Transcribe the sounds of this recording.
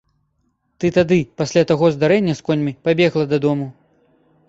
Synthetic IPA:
t̪ɨt̪ad̪ɨpasʲlʲat̪aɣɔzd̪aɾɛnʲːɐskɔnʲmʲipabʲɛɣlˠɐd̪ɐd̪ɔmu

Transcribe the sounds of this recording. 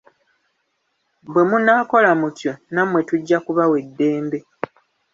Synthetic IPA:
bwe̞munaːko̞lamutjo̞namwe̞tuɟːakuβawe̞dːe̞ːmbe̞

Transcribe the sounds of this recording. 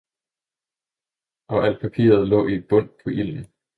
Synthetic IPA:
ʔɒ̽ʔæl̰̥̚pʰæpʰḭːɐð̞ˠlɔ̰̽ːib̥ɔ̽n̰pʰɒ̽ʔil̰n̩

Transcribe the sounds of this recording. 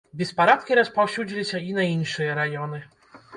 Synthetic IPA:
bʲɛspaɾat̪kʲiɾɐspawɕʲud͡ʑʲilʲiɕʲɐinainʂɨjɐɾajɔnɨ

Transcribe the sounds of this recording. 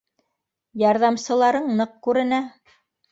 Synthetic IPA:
jɑɾðɑmsɤ̆lˠɑɾɤɴnɤq̚kʉɾɘ̆næ

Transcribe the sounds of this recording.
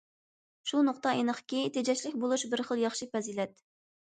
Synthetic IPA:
ʃunʊχt̪ɑenəχʰə̥kʲit̪ʰed͡ʒɛt͡ʃlɪkʲbolˠuʃbɪɾχəlˠjɑχʃipɛzilɛt̪̚

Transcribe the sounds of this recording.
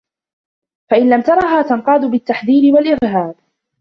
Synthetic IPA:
faʔɪnlamt̪ɑɾˤɑɦaːt̪anqɑːd̪ʊbɪt̪ːaħd̪iːnɪwalʔɪɾɦaːb

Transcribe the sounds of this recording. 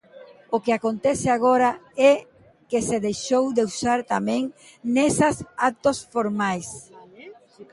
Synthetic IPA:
okeakont̪ɛseaɣoɾaɛ | keseðejʃowd̪eusaɾt̪amɛ̃ŋ | nɛsasat̪osfoɾmajs

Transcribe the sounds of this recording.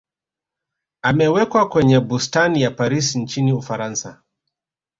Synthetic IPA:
amɛwɛkwakwɛɲɛbustanijapaɾisin̩t͡ʃiniufaɾansa̰

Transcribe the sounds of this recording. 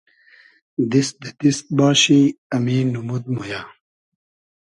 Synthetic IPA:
d̪isd̪et̪ist̪̚baːɕiɐminumud̪̚muja

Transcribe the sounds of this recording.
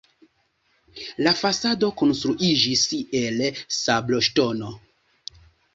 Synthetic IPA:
lafasado̞ko̞nstɾuʔid͡ʒise̞lsablo̞ʃto̞no

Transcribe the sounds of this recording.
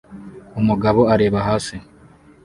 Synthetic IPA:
umuɡaβo̞aɾe̞ːβaɦaːsi

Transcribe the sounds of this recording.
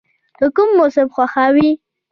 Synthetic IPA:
d̪əkʊmːosɪmxwaxawi

